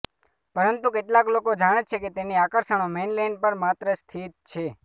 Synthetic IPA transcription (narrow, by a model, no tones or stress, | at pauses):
pəɾənt̪ukeʈlaklokod͡ʒaɽ̃et͡ʃʰeket̪eniakəɾʃəɳ̃omenlɛnɖpəɾmat̪ɾəst̪ʰit̪̚t͡ʃʰe